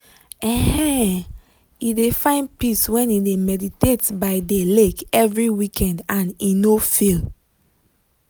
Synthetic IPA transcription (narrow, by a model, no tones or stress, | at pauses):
ɛhɛ̃ | idefãɪ̃n̚piswɛ̃nidemɛditetbaɪdelekɛvɹiwikʰɛ̃ndãninofil